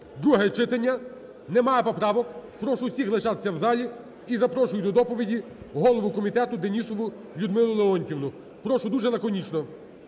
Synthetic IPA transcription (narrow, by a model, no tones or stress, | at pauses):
d̪ɾuɦɛt͡ʃɪt̪ɐnʲːɐ | nɛmɑjɛpɔpɾɑʋɔkpɾɔʃʊsʲixlˠeʃɑt̪sʲːɐwzɑlʲi | izɐpɾɔʃʊjʊd̪ɔd̪ɔpɔʋʲidʲi | ɦɔlˠɔʋʊkɔmʲit̪ɛt̪ʊd̪enʲisɔʋʊ | lʲʊd̪mɪlˠʊlˠeɔnʲtʲiʋwnʊ | pɾɔʃʊd̪uʒɛlˠɐkɔnʲit͡ʃnɔ